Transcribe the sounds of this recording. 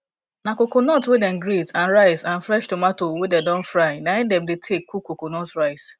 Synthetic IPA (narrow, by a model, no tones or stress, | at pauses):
nakokonɔtwedɛnɡɾitãnɹaɪsãn̩fɾɛʃtomatowedɛdɔ̃n̩fɾaɪnaɛ̃ndɛmdetʰekʰːukokonɔtɹaɪs